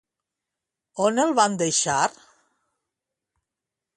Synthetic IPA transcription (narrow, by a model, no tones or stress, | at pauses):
onelˠβand̪eʃaɾ